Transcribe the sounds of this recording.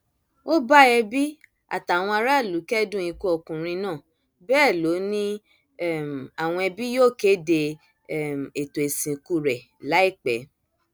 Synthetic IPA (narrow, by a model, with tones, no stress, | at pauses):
o˦ba˦ɛ˧bi˦ | a̰˨ta˨w̃ɔ̃˧a˧ɾa˦˨lu˨˦kɛ˦dũ˦ĩ˧ku˧˦ɔ˧kũ˨ɾ̃ĩ˧nãː˦˨ | bɛː˦˨lo˨˦nĩ˦˨ | m˨a˨w̃ɔ̃˧ɛ˧bi˦joː˦˨ke˦de˧˦˨ | m˨e˨to˨e˨sĩ˨ku˧ɾɛ˨ | la˨˦i˦˨k͡pɛ̰˨˦